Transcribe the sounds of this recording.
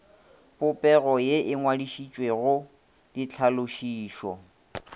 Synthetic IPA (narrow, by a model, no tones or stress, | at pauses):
pʊpʼɛɣɔjeʔɪŋwadiʃit͡ʃʼweɣʊ | lɪt͡ɬʰalʊʃiːʃɔ̰